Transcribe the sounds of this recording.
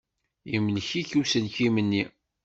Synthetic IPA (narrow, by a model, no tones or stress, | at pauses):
imlçiçusənkimənːi